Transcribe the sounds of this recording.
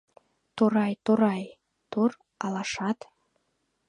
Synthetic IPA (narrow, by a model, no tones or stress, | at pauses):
t̪oɾɑjt̪oɾɑj | t̪or | ɑlɑʃɑt̪